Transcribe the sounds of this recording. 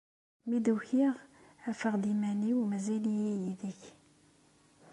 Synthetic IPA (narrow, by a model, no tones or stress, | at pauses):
mid̪uçiʁæfəʁd̪imæniwmæzilijæjiðiç